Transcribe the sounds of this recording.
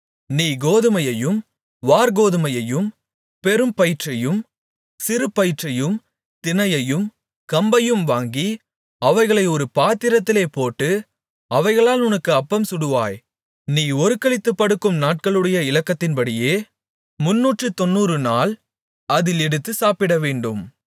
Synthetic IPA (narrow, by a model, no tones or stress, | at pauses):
niːɡoːðɯmɐjɐjɯm | ʋaːɾɡoːðɯmɐjɐjɯm | pɛɾɯmpɐjɪʈrɐjɯm | sɪɾɯpːɐjɪʈrɐjɯm | t̪ɪnɐjɐjɯm | kɐmbɐjɯmʋaːŋɡi | ɐʋɐɪɣɐɭɐɪɔɾɯpaːt̪ːɪɾɐt̪ːɪleːpoːʈːɯ | ɐʋɐɪɣɐɭaːlʊnɐkːɯɐpːɐmsʊɽɯʋa̰ːj | niːɔɾɯkːɐɭɪt̪ːɯpːɐɽɯkːɯmnaːʈ̚kɐɭɯɽɐjɐɪlɐkːɐt̪ːɪnpɐɽɪjeː | mʊnːuːʈrɯt̪ɔnːuːɾɯnaːl | ɐðɪlɛɽɯt̪ːɯsaːpɪɽɐʋeːɳɖɯm